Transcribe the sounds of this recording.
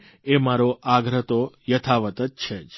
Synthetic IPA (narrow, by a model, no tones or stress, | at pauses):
emaɾoʔaɡɾət̪ojət̪ʰaʋət̪ət̪t͡ʃʰed͡ʒ